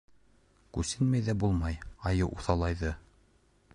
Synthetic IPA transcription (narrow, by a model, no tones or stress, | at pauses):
kʉsɘnmæjðæbulˠmɑjɑjɤʔuθɑlˠɑjðɤ